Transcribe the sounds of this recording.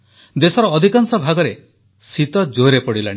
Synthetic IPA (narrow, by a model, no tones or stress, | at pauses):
d̪esɔɾɔːd̪ʱikansɔbʱaɡɔɾe | sit̪ɔd͡ʒoɾepɔɽilã̰i